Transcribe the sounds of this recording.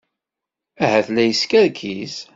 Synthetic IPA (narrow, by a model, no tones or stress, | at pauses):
æhæθlæjəskæɾkʰis